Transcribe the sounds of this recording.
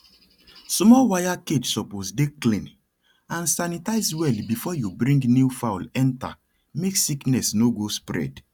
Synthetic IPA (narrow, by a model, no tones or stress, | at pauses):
smɔwajaked͡ʒsɔposdeklĩn | ãnsanitaɪzwɛlbifɔjubɹĩŋɡnifawlɛ̃nta̰ | meksiknɛsnoɡospɹɛ̰d